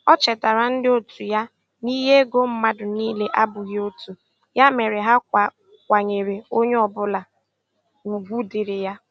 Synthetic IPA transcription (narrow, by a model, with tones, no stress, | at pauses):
ɔ˦t͡ʃɛ˨ta˨ɾa˨n̩˦dɪ˦o˦tʰu˨ja˦ | ni˦ɦe˦e˦ɡo˦m̩˦ma˦dʊ˨niː˦le˦ʔa˦bʊ˨ɣo˦tu˨ | ja˦me˨ɾe˨ɦa˦k̚ʷa˨ | kʷa˨ɲe˨ɾe˨o˦ɲe˦ɔ˨bʊ˦la˨ | u˨ɡʷu˦dɪ˨ɾɪ˨ja˦